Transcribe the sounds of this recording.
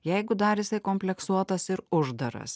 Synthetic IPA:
jɛɪɡʊd̪ɐɾjɪsɐɪkoːmʲpʲlʲɛksuɔt̪ɐsɪɾʊʒd̪ɐɾɐ̰s

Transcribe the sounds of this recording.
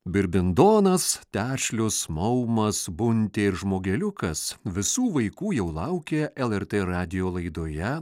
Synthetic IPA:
bʲɪɾʲbʲɪnd̪oːnɐst̪ʲæːʃʲlʲʊsmɐʊmɐsbʊnʲt̪ʲeːɪɾʒmoːɡʲɛlʲʊkɐsʋʲɪsuːʋɐɪkuːjɛʊlˠɐʊkʲeːɛlˠɛɾʲt̪ʲeːɾɑːd̪ʲɪjoːlˠɐɪd̪oːjɛ

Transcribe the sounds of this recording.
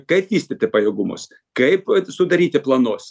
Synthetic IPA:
kɐɪpʋʲiːsʲt̪ʲɪt̪ʲɪpɐjɛːɡʊmʊ̰s | kɐɪpsʊd̪ɐɾʲiːt̪ʲɪplˠɐnoːs

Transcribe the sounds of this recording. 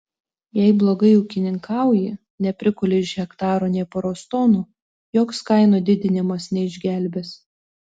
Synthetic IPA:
jɛɪblˠoːɡɐɪʊkʲɪnʲɪŋkɑˑʊjɪ | nʲɛpʲɾʲɪkʊlʲeɪʃɣʲɛkt̪ɑːɾoːnʲɛɪpɔɾoːst̪oːnuː | joːkskɐɪnoːd̪ʲɪd̪ʲɪnʲɪmɐsnʲɛɪʒʲɡʲæˑlʲbʲes

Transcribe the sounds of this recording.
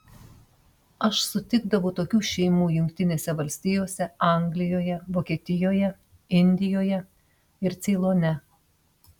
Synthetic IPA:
ɐʃsʊt̪ʲɪɡd̪ɐʋʊːt̪oːkʲuːʃʲɛɪmuːjʊŋʲkʲt̪ʲɪnʲeːsʲɛʋɐlʲsʲt̪ʲɪjoːsʲɛɑˑŋʲɡlʲɪjoːjɛʋoːkʲeːt̪ʲɪjoːjɛ | ɪnʲd̪ʲɪjoːjɛ | ɪɾt̪sʲɛɪlˠoːnʲɛ

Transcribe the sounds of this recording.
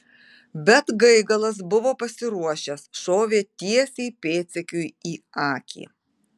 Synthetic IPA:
bʲɛt̪ɡɐɪɡɐlˠɐs̬bʊʋoːpɐsʲɪɾuɔʃʲɛsʃoːʋʲeːt̪ʲiɛsʲeɪpʲeːt̪sʲɛkʲʊjiː | ɑːkʲḭː

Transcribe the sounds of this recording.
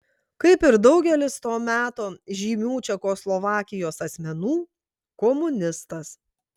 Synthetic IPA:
kɐɪpɪɾd̪ɒʊɡʲɛlʲɪst̪oːmʲæːt̪oːʒʲiːmʲuːt͡ʃʲɛkoːslˠɔʋɑːkʲɪjoːsɐsʲmʲɛnuː | kɔmʊnʲɪst̪ɐs

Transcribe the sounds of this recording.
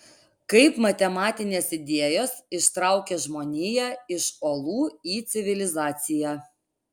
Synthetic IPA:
kɐɪpmɐt̪ʲɛmɑːt̪ʲɪnʲeːsɪd̪ʲeɛjoːsɪʃt̪ɾɐʊkʲeʒmoːnʲiːjæːɪʃoːlˠuːiːt̪sʲɪʋʲɪlʲɪzɑːt̪sʲɪjæː

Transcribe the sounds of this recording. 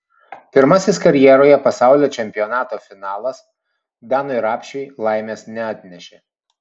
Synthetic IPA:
pʲɪɾmɐsʲɪskɐɾʲjɛɾoːjɛpɐsɑˑʊlʲoːt͡ʃʲɛmʲpʲɪjɔnɑːt̪oːfʲɪnɑːlˠɐs | d̪ɑːnoːɾɑːpʲʃʲɛɪlˠɑɪmʲeːsnʲɛaːt̪ʲnʲɛʃʲeː

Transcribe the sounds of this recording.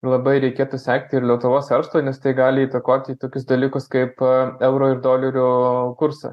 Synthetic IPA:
lˠɐbɐɪɾʲɛɪkʲeːt̪uːsʲæːkt̪ʲɪɪrlʲiɛt̪ʊʋoːsɛɾʃt̪oːnʲɛst̪ɐɪɡɑːlʲɪiːt̪ɐkoːt̪ʲiːt̪oːkʲʊsd̪ɐlʲiːkʊskɐɪpɛʊɾoːɪrd̪oːlʲɛɾʲʊkʊɾsɐ̰

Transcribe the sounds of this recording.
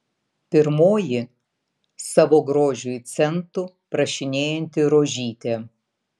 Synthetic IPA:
pʲɪɾmoːjɪ | sɑʋoːɡɾoːʒʲʊjt̪sʲɛnt̪ʊ | pɾɐʃʲɪnʲeːjɛnʲt̪ʲɪɾoːʒʲiːt̪ʲe

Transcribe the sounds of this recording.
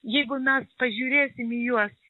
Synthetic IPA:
jɛɪɡʊmʲɛspɐʒʲuːɾʲeːsʲɪmijuɔs

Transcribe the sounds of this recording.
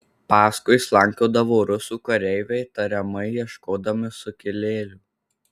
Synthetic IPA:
pɑːskʊɪslˠɐŋʲkʲoːd̪ɐʋoːɾʊsuːkɐɾʲɛɪʋʲɛɪt̪ɐɾʲɛmɐɪjiɛʃkoːd̪ɐmʲɪsʊkʲɪlʲeːlʲʊ

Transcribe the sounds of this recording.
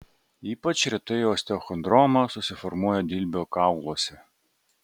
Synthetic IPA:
iːpɐt͡ʃɾʲɪt̪ɪjɔːsʲt̪ʲɛɔxɔnd̪ɾɔmɐsʊsʲɪfɔɾmuɔjɛd̪ʲilʲbʲeɔkɑʊlˠɔːsʲɛ

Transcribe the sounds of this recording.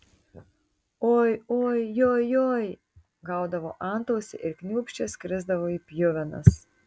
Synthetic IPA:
oːjoːjjoːjjoːj | ɡɐʊd̪ɐʋo̰ːʔɑˑnt̪oːsʲɪ̰ʔɪɾkʲnʲuːpʲʃʲt͡ʃʲɛsʲkʲɾʲɪzd̪ɐʋoːiːpʲjʊʋʲɛnɐ̰s

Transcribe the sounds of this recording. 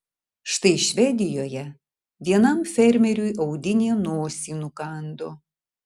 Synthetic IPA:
ʃt̪ɐɪʃʲʋʲɛd̪ʲɪjoːjɛ | ʋ̪ʲiɛnɐmfʲɛɾʲmʲɛɾʲʊjɐʊd̪ʲɪnʲeːnoːsʲiːnukɑˑnd̪o

